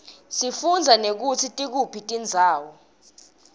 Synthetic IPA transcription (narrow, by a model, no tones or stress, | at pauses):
sifund͡zʱanek̬utʰitʼik̬upʰitʼind͡zʱaːwɔ